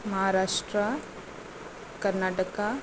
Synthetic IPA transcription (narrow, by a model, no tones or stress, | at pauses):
mɐɦaɾaːʂʈɾa | kɐɾnaːʈəka